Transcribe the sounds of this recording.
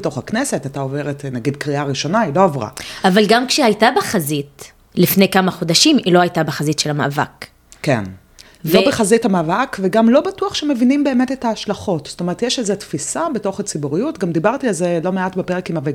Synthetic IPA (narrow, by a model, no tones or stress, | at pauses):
eto̞χaknese̞tataove̞ʁetnaɡidkʁiaʁiʃo̞nailo̞avʁa̰avalɡamkʃehajtabeχazit | lifne̞jkamaχodaʃimilo̞hajtabeχazitʃelama̰ʔava̰k | kḛn | lvobeχazithamaːvakveɡamlo̞batuaχʃemevinimbe̞eme̞tetaːʃlaχo̞tstome̞ʁet̪jeʃezetfisabe̞to̞χat͡sibuʁijutɡamd̪ibaʁtialzelo̞meatbepe̞ʁekimave